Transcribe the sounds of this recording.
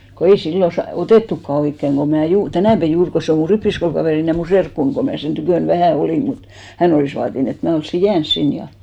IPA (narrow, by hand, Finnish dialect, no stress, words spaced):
ko ei silːo sɑ oteˑtːukːɑ oikːeŋ ko mæˑ juːr tænæˑpæ juːr ko se o mu ripːiskoulkɑʋeˑrin jɑ mu serkːun ko mæˑ sen tykøˑn ʋæhæˑ oliˑm mut hæn oliˑs ʋɑːtin et mæ olsːi jæːns sin jɑ